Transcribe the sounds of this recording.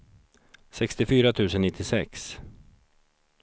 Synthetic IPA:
sɛkst̪ɪfyːɾat̪ʰʉ̟ːsənɪt̪ʰːɪsɛks

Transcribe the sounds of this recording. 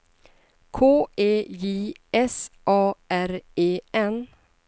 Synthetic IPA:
kʰoːeːjiːɛsʔɑːʔæɾeːɛn

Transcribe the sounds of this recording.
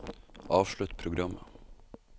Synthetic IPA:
ʔɑːʋʃɭʉt̪pʰɾʊɡɾɑmə̰

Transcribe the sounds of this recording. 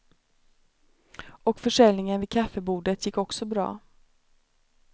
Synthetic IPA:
ɔkfœʂɛlnɪŋənvɪkʰafːəbuːɖət̪jɪkːɔksɔbɾɑ̰ː

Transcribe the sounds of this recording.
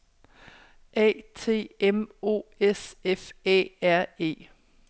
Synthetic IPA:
ʔɛ̰ːt͡sʰe̝̰ːemo̝̰ːesefɛ̰ːæɐ̰e̝̰ː

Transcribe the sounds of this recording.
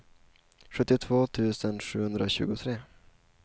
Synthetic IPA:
ʂɵt̪ːɪt̪ʰvoːt̪ʰʉ̟ːsənʂʉ̟ːhɵnd̪ɾaoɕʉ̟ːɡʊt̪ʰɾeː

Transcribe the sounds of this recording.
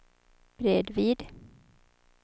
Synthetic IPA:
b̥ɾeːd̪viːd̪

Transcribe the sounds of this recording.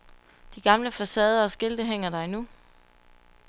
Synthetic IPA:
d̥iɡ̥ɑ̈mləfæsɛːð̞ˠɐːsɡ̥e̝ld̥əɦeŋ̰ɐd̥ɑ̈ɪnu

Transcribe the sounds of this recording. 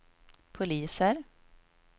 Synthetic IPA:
pʰʊliːsəɾ

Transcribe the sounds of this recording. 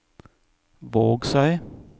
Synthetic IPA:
ʋoːɡsæɪ

